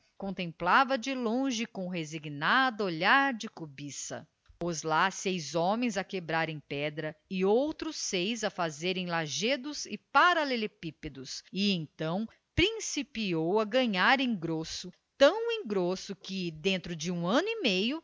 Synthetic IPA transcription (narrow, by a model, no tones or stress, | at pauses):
kõnt̪ẽmplavɐd͡ʒɪlõʒɪkõɦeziɡnad̪ɐoʎaɾd͡ʒɪkubisɐ̰ | pozlasejzɔmẽj̃zɐkebɾaɾẽj̃pɛd̪ɾɐɪowt̪ɾʊsejzɐfazeɾẽj̃laʒed̪ʊzɪpaɾalelepiped̪ʊsɪẽt̪ɐ̃w̃ | pɾĩsipiowɐɡɐ̃ɲaɾẽɡɾosʊ | t̪ɐ̃w̃ẽj̃ɡɾosʊkɪd̪ẽnt̪ɾʊd͡ʒɪũɐ̃nʊimejʊ